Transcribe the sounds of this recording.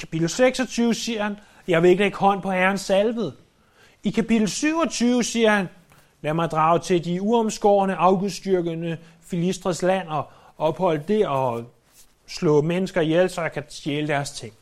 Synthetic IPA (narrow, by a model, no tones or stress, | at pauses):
kʰæ̥pid̥l̩ˠseɡ̥sɒ̽t͡sʰyːʊəsiɐhæn | jɑ̈ɪʋe̝e̝ɡ̥leɡ̥hɒ̽n̰pʰɒ̽hæɐnsælʋð̩ˠ | ikʰæpid̥l̩ˠsyʊɒ̽t͡sʰyːʊəsiːɐhæn | læɐmɑ̈ɪd̥ʁɑ̈ːʊt͡sʰe̝diuɒ̽msɡ̥ɒ̰ːnəʔɑ̈ʊɡ̥uðˠsd̥yɐɡ̥ənə | filisd̥ʁɐslæn̰ɒ̽ | ɒ̽b̥hɒ̽l̰əd̥e̝ɒ̽ | slɔ̰̽ːmenəsɡ̥ɐijelsɒ̽jɑ̈kʰæsjeːləd̥æɐst͡sʰe̝ŋ̰